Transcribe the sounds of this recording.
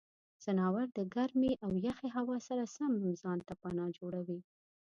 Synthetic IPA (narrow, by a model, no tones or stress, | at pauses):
z̥anɑwaɾd̪əɡaɾmeʔawjaxeɦawɑsaɾasamzɑnt̪apanɑd͡ʒoɽawi